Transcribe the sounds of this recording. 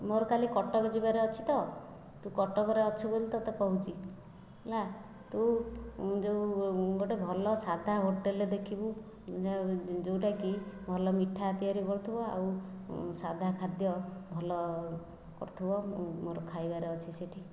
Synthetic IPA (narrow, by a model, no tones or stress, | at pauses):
moɾɔkalikɔʈɔkɔd͡ʒibaɾeɔt͡ʃʰi̥t̪ɔ | t̪ukɔʈɔkɔɾeɔt͡ʃʰubolt̪ɔt̪ɔkɔɦut͡ʃʰi | ela | t̪u | d͡ʒewɡoʈebʱɔlɔsad̪ʱaɦoʈeled̪ekʰibu | d͡ʒad͡ʒewʈakibʱɔlɔmiʈʰːat̪iaɾikɔɾt̪ʰubɔa̰wsad̪ʱakʰad̪jɔbʱɔlɔ | kɔ̰ɾt̪ʰubɔmoɾɔkʰajbaɾeɔt͡ʃʰiseʈʰi